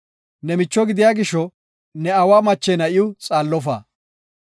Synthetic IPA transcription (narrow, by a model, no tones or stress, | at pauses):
nɛmɪt͡ʃːɔɡɪd̪ɪjaːɡɪʃɔ | nɛɐwaːmɐt͡ʃːɛnɐʔɪʊt͡sʼaːlːɔf̬a̰ː